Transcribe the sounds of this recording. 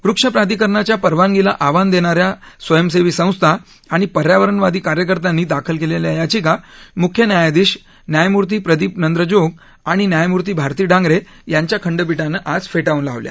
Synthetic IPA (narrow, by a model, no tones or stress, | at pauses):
ʋɾukʂəpɾad̪ikəɾɳat͡ɕjapəɾʋanɡela̰ʔaʋand̪eɽ̃aɾjasʋəjəmseʋiːsə̃w̃st̪ʰa | aɽ̃ipəɾjaʋəɾəɳʋad̪iːkaɾjəkəɾt̪anːiːd̪akʰəlkeleljajat͡ɕiːkamukʰːjənjajad̪iːɕ | njajmuɾt̪̬iːpɾəd̪iːpnənd̪ɾəd͡ʑoɡ | aɽ̃injajmuɾt̪̬iːbʱaɾt̪iːɖʱãŋɡɾe | jaɲt͡ɕjakʰəɳɖəp̬iʈanəʔad͡zfeʈaũnla̰ʋlja̰